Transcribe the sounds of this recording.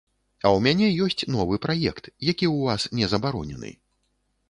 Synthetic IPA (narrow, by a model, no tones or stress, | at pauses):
ɐwmʲanʲɛjɔsʲt͡sʲnɔvɨpɾajɛkt̪jakʲiwvasnʲɛzɐbaɾɔnʲɛnɨ̰